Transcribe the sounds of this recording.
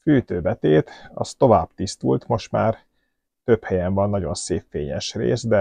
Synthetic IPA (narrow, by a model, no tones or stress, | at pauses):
fyːt̪øːbɛt̪eːt̪ɒ̰st̪o̞vaːbt̪ist̪ult̪mo̞ʃt̪ma̰ːr | t̪ø̞phɛjɛɱvɒnːɒɟo̞nseːpfeːɲɛʃrḛːsd̪ɛ